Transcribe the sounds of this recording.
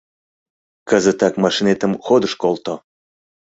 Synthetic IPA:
kəzə̆t̪ɑkmɑʃinet̪ə̆mxod̪əʃkolˠt̪o

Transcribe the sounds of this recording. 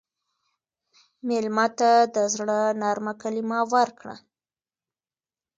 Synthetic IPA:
melmɑt̪ad̪əzɽənɑɾmakalimɑwaɾkɽa̰

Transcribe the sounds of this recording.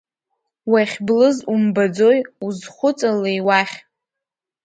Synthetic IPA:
waχʲblɨzumbad͡zo̞juzχʷʊt͡sʼalejwaχʲ

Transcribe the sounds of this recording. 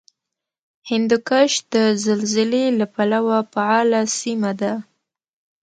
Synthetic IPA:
hɪnd̪ukaʃd̪əzalzɪlelapalawapaʕɑlasimad̪a

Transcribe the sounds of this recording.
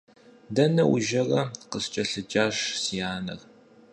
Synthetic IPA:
dɐnɐwuʒɐrɐqəst͡ʃʼɐɬɨd͡ʒʼaːʂsijaːnɐ̰r

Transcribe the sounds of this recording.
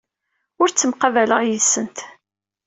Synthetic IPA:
ʊɾt͡sːəmqɑvæləʁjəsːənt̪

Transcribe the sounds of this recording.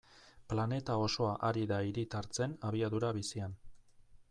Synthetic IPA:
plane̞t̪ao̞so̞aʔaɾiðaiɾit̪aɾt͡se̞naβiaðuɾaβisian

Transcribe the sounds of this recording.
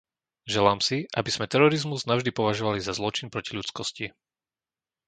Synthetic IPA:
ʒɛlaːmsiʔa̰biz̥mɛt̪ɛɾɔɾizmuznaʊʒd̪ipɔʋaʒɔʋalizazlɔt͡ʃinpɾɔciʎut͡skɔsci

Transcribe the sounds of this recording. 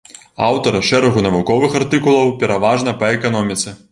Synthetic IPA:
awt̪ɐɾɐʂɛɾɐɣunɐvukɔvɨxart̪ɨkulˠɐwpʲɛɾʔavaʐnɐpɐɛkanɔmʲit̪sɛ

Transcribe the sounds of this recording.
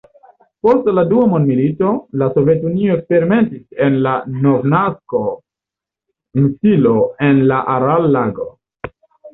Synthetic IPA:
po̞stladuamondmilito̞lasove̞t̬unioekspe̞ɾime̞ntisenlano̞vnasko̞ | insilo̞e̞nlaʔaɾalːaɡo̞

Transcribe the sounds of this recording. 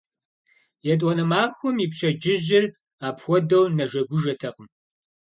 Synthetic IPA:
jɛtʼwɔnɐmaːxʷʊmiːpɕɐd͡ʒɪʑɪr | aːpxʷɔdɐwnɐʒɐɡʷʊʒɐtʰɐqəm

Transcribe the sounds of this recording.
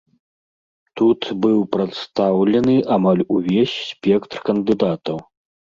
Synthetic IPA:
t̪ut̪bɨwpɾat̪st̪awlʲɐnɨʔamalʲuvʲɛsʲsʲpʲɛkt̪rkɐnd̪ɨd̪at̪ɐw

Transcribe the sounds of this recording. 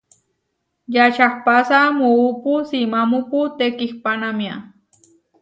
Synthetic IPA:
jat͡ʃahpasamuupusimamuput̪ekixpanamja

